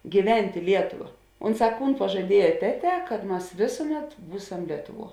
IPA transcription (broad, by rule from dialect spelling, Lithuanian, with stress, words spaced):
ɡʲiːˈʋʲɛnʲtʲ ɪ ˈlʲiɛtʊʋɐ ˈʊnˌsɑː ˈkuːn pɐʒɐˈdʲiɛjɛ ˈtʲæːˌtʲɛː kɐt ˈmɐs ˈʋʲeːsʊˌmʲɛt ˈbuːsɐm ˈlʲiɛtʊˌʋuɔ